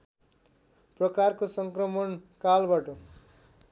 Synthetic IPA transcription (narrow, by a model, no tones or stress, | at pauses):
prʌkarkosʌŋkrʌmʌnkalbaʈʌ